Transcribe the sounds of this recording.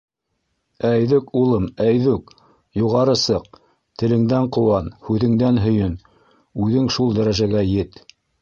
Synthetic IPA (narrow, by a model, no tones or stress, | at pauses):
æjðɵkulˠɤmæjðʉk | juʁɑɾɤsɤq̚ | t̪ɘ̆lɘ̆ŋd̪æɴqŏwɑnhʉðɘ̆ŋd̪ænɦɵ̆jɵn | ʉðɘŋʃulˠd̪æɾæʒæɡæjɘt̪